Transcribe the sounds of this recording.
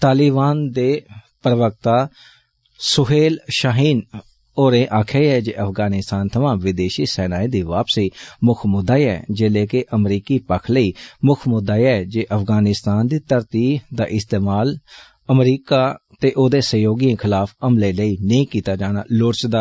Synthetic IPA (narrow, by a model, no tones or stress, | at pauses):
t̪aːlibaːnd̪eːpəɾəʋək̚t̪aː | sʊɦeːlʃaːɦiːn | oːɾẽːʔaːkʰeːɛːd͡ʒeːʔəfʰɡaːnɪst̪aːnt̪ʰəʋãːʋɪd̪eːʃiːsɛːnaːid̪iːʋaːpsiːmʊkʰmʊd̪aːiɛːd͡ʒeːleːkeʔəmɾiːkiːpəkʰləiːmʊkʰmʊd̪aːiɛːd͡ʒeːʔəfʰɡaːnɪst̪aːnd̪iːt̪əɾt̪iːd̪aːʔɪst̪eːmaːl | əmɾiːkaːt̪eːʔoːd̪eːsəjoːɡiə̃ːkʰɪlaːfʰəmleːləiːnə̃ĩːkiːt̪aːd͡ʒaːna̰ːlʊɾt͡ʃd̪aː